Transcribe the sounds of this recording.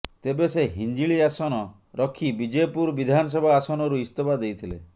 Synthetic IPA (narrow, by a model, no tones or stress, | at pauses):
t̪ebeseɦind͡ʒiɭiasɔnɔ | ɾɔkʰibid͡ʒepuɾbid̪ʱanɔs̬ɔbʱaːsɔnɔɾuist̪obʱad̪ejt̪ʰilḛ